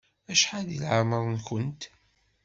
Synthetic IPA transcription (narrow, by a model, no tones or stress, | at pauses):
æʃħaðḭlʕaməɾˤənkənt̪